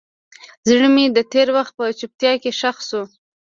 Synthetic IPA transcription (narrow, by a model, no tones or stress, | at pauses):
zɳəmid̪ət̪eɾwaxt̪̚pət͡ʃʊp̚t̪jɑkeʃaxsu